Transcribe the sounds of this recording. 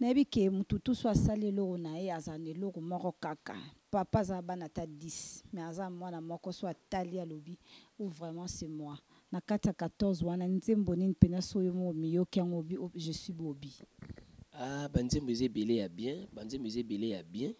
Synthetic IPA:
najebikemututusoasalielokonajeazanelokomɔkɔkaka̰papazabanatadismɛazamwanamɔkɔsoatalialobiovʁɛmɑ̃sɛmwa | nakatijakatɔʁzwananzembonɛnipenasojommijokeaŋɡobioʒeswibobi | abanzemboezabelejabjɛ̃banzemboezebelejabjɛ̃

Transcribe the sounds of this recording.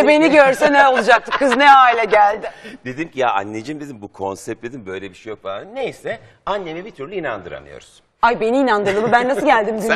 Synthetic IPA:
be̞niɟøɾsɛnɛo̞lˠud͡ʒak̚t̪ɯmkʰɯznɛaːilʲɛɟælʲd̪ɪd̪̥ed̪imcijaa̰nːed͡ʒɯmd̪ed̪imbukʰo̞nsɛp̚t̪d̪ed̪imbø̞jlʲebiʃejo̞k̚falˠannnejsɛ | anːenibit̪ʰyɾlʲyinand̪ɯɾa̰nɯ̰jo̰ɾuz̥ | ajbe̞niːnand̪ɯɾd̪ɯmɯbænːasɯɟælʲd̪imd̪y

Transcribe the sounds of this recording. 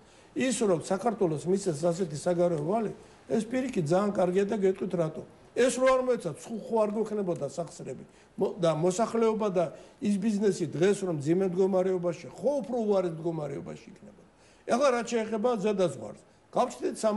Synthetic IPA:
isɾɔmsakʰaɾt̪ʰwɛlɔsmit̪ʰɛs̬as̬ɛt̪ʰisaɡaɾɛɔvali | ɛspʼiɾikʼit̪̚d̪zaːnkʼaɾɡiad̪aɡɛt̪ʼqʼwit̪ʰɾat̪ʼɔ | ɛsɾɔaɾmɔɛt̪sʰat̪sʰχuχuaɾɡwɛkʰnɛbɔd̪asaχsɾɛbi | d̪amɔsaχlɛɔbad̪ais̬biznɛsid̪ʁɛsɾɔmd̪zimɛmd̪ɡɔmaɾɛɔbaʃiχɔupʰɾɔuaɾit̪md̪ɡɔmaɾɛɔba̰ʃiikʰnɛbɔd̪̥a | ɛχlaɾat̪ʃɛːχɛbazad̪azʁwa̰ɾs | ɡ̥aft͡ʃʰd̪it̪sa

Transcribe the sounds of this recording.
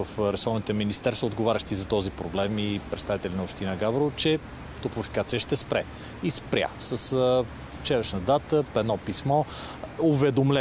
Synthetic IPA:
əfɾɛsɔvnit̪ɛminist̪ɛɾsvəod̪ɡovaɾʲəʃt̪izɐt̪ɔzipɾoblɛmipɾɛt̪st̪avit̪ɛlʲinopʃt̪inəɡabɾot͡ʃɛ | t̪opɾofi̥kat̪sijəʃt̪ɛspɾɛ | ispɾʲja̰səs | ft͡ʃɛɾəʃnəd̪at̪əpɛnɔpismɔ | ovɛd̪omlʲɛ

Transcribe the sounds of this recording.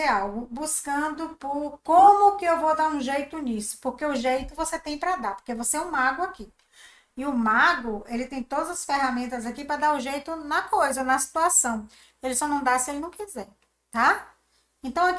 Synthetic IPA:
eawɡʊbuskɐ̃d̪ʊpʊɾkõmʊkɪewvowd̪aɾũʒejt̪ʊnisʊ̥poɾkeʊʒejt̪ʊvoset̪ẽj̃pɾɐd̪apo̥ɾkevoseɛũmaɡʊaki | ɪʊmaɡʊelɪt̪ẽj̃t̪od̪ɐzɐsfeɦamẽnt̪ɐzakipɾɐd̪aɾʊʒejt̪ʊnɐkojzɐonɐsi̥t̪uasɐ̃w̃ | elɪsɔnɐ̃w̃d̪asɪelɪnɐ̃w̃kizɛ | t̪a | ẽt̪ɐ̃w̃ak

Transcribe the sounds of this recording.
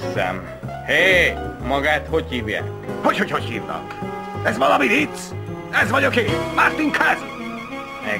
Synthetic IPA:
zɛ̰m | heːmɒɡaːt̪hochiːvja̰ːkho̞cho̞cho̞chiːvnɒ̰k | ɛzvɒlɒmit̪it̪ː | ɛzvɒɟokeːmart̪iŋkʰaz | ɛ

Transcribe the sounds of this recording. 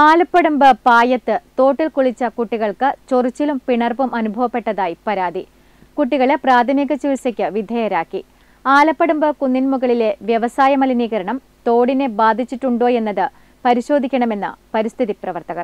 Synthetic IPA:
aːlɐpːɐɽumbɨpaːjɐt̪ːɨt̪o̞ːʈːilkuɭit͡ɕːɐkuʈːiɣɐɭkɨt͡ɕorit͡ɕːilumpiɳɐrbɐmɐnubʱɐʋɐpːe̞ʈːɐðaːjipɐɾaːd̪ʱi | kuʈːiɣɐɭepraːd̪ʱɐmiɣɐt͡ɕiʋsɐkʲːɨʋid̪ʱɐjɐɾaːkːi | aːlɐpːɐɽumbɨkunːinmuɣɐɭile̞ʋjɐʋɐsaːjɐmɐliniːɣɐɾɐɳɐm | t̪o̞ːɽine̞baːd̪ʱit͡ɕːiʈːuɳɖo̞ːje̞nːɐðɨ | pɐɾiɕo̞ːd̪ʱikʲːɐɳɐme̞nːɨ̰pɐɾist̪ʰiðiprɐʋɐrt̪ɐɣɐr

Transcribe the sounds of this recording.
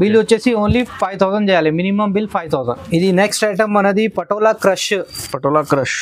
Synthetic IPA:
biljot͡ɕesiõnliːfajt̪ʰawzənd͡ʑejaleminiməmbilfajt̪ʰawzənid̪ineksʈajʈəmːɐnəd̪iːpɐʈolakɾəɕpɐʈolakɾəɕ

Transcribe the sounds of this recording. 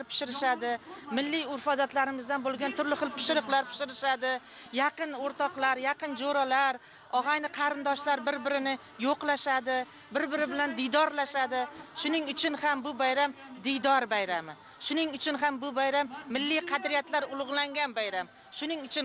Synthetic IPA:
ɾpʰɪ̥ʃɪɾɪʃad̪ɪmɪlːɪjʊɾfɒd̪at̪laɾɪmɪzd̪anbolˠɡʲant̪ʰʊɾlɪχɨlˠpʰɪ̥ʃɪɾɨqlˠaɾpʰɪ̥ʃɪɾɪʃad̪ɪ | jɑqɨnoɾt̪ɒqlˠaɾjaqɨnd͡ʒoɾalaɾ | ɒʁajnɪqʰɑɾɪnd̪ɒʃlaɾbɪɾbɪɾɪnɪ | joqlˠaʃad̪ɪ | bɪɾbɪɾɪbɪland̪ɪjd̪ɒɾlaʃad̪ɪʃʊnɪŋʊt͡ʃʰʊnhambʊbajɾamd̪ɪjd̪ɒɾbajɾamɪ | ʃʊnɪŋʊt͡ʃʰʊnɦambʊbajɾamːɪlːijqʰɑd̪ɾɪjat̪laɾʊlˠʊʁlˠaŋɡʲanbajɾam | ʃʊnɪŋʊt͡ʃʰʊn

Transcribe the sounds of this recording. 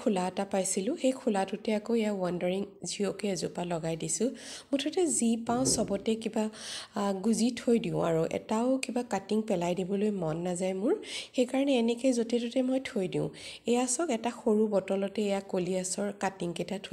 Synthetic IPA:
kʰulatapajsilʊ̃xejkʰulatutɛakoejawandɔɹiŋziɔkɛzupalɔɡajdisʊ̃mʊtʰɔtɛzipaʊ̃sɔbɔtɛkiba | ɡuzitʰojdiʊ̃a̰ɹuʔɛ̰taʊkibakatiŋpɛlajdibɔlojmɔnːazajmʊɹxejkaɹɔnɛːnɛkezotɛtutɛmojtʰojdiʊ̰̃ejasɔkɛtaxoɹubɔtɔlɔtɛːjakoliasɔɹkatiŋketatʰ

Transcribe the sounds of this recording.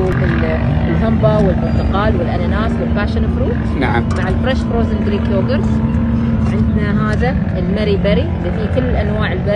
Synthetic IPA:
uːbɪl | lɦambawɪlmʊnt̪ɪqɑːlwɪlʔananaːswɪlfaːʃɪnfɾuː | nmaʕɪlfɾɛʃfɾoːzɪnɡ̪ɾiːkjoːɡɪɾz | ʕɪnd̪naɦaːða | ɪlmaɾibaɾiʔlːifiːkɪlːɪlʔanwaːʕɪlba

